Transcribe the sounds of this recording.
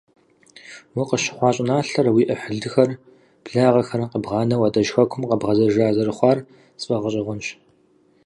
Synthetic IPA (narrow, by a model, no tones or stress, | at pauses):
wiqəɕɪ̥χʷɑːɕʼɪnaːɬɐrwiːʔɐħəɮɨxɐr | b̥ɮaːʁɐxɐrqəbʁɑːnɐwaːdɐʒxɐkʷʰʊmqəbʁɐzɐʒaːzɐrɨχʷɑːr | sʼfʼɐʁəɕʼɪʁʷʊnɕ